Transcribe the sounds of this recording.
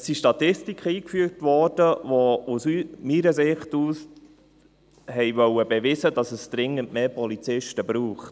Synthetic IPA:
siʃtɑtɪstikχəiːkfyːɾtʋɔɾd̥əʋɔusymiːɾəsɪχtuːs | hɛɪʋœwəbɛʋɪzədɑsəsd̪̥ɾɪŋəntmeːpɔlit͡sɪʃtəbɾuːχt

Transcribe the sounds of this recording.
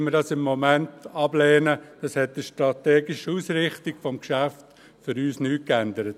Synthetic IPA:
məɾdɑsɪmːomæntɑblɛːnəd̥ɑshɛt̚d̥iʃtɾɑtɛːɡɪʃusɾɪχtiɡ̥fɔmkʃæft | fʏɾyːsnyːkændəɾət

